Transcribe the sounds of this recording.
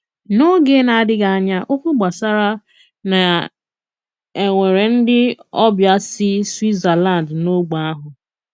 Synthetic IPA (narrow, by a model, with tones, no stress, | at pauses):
no˦ɡe˦na˨a˨dɪ˦ɡa˨a˨ɲa˦ʔo˦kʷʊ˦ɡ͡ba˨sa˦ɾa˦ | na˨ | e˨ŋʷe˨ɾe˨n̩˦dɪ˦ɔ˦bja˦sɪ˦swi˦tza˨la˦˨ndno˦ɡ͡ba˨a˦ɦʊ˨